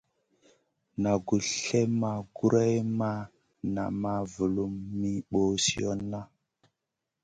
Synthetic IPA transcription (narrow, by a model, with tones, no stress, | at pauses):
na˨ɡu˨ɬe˦ma˨ɡu˦ɾa˦jma˦ | na̰˨ma˨vu˨lu˨mːi˦ɓo˦si˦o˦nːa˦